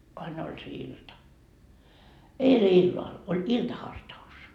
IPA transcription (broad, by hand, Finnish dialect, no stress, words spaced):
ʋɑin olʲ se iltɑ eile ilːɑl olʲ iltɑhɑrtɑus